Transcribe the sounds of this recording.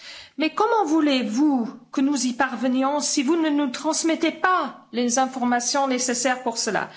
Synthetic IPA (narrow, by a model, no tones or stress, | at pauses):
mɛkɔmɑ̃vulevukənuzipaʁvənjɔ̃sivunənut̪χɑ̃smɛt̪epa | lezɛ̃fɔʁmasjɔ̃nesesɛʁpuʁsəla̰